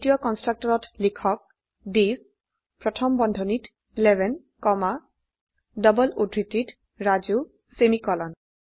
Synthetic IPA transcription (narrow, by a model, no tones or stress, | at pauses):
tijɔkɔnstɹak̚tɔɹɔtlikʰɔk̚ | dis | pɹɔtʰɔmbɔndʱɔnit | ilɛbʱɛn | kɔma | dɔbɔludʱɹitit | ɹazu | semikɔlɔn